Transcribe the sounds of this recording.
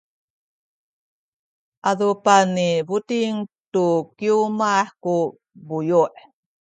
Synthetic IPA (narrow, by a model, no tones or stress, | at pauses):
ʔaðupaniβut̪iŋtukiumaħku | bujuʔ